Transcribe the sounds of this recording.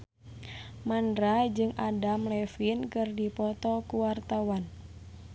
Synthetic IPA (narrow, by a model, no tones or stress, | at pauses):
mandɾad͡ʒɨŋadamlɛfinkɨrdipɔt̪ɔkuwart̪awan